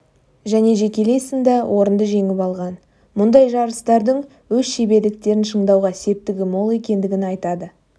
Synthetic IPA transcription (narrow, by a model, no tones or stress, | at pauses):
ʒæne̞ʒe̞kʲe̞le̞jsɪnd̪ɑwʔo̞ɾənd̪əʒe̞ŋɪpɑlˠʁɑn | mʊnd̪ɑjʒɑɾəst̪ɑɾd̪əɴ | wɵz̥ʃebe̞ɾd̪ɪk̚t̪e̞ɾɪnʃəɴd̪ɑwʁɑse̞p̚t̪ːɪɡʲɪmo̞lˠe̞kʲe̞nd̪ɪɡʲɪnɑjt̪ɑd̪ə